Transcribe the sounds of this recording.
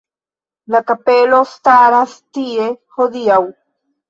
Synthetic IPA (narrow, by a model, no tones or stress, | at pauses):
lakapelost̪aɾast̪iexod̪iaw